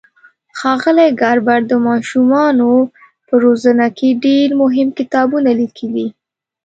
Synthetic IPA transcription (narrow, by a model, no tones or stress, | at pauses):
xɑɣəleɡɑɾbaɾd̪əmɑʃumɑno | pəɾozənakʰeɖeɾmʊɦɪmkɪt̪ɑbunalikʰəli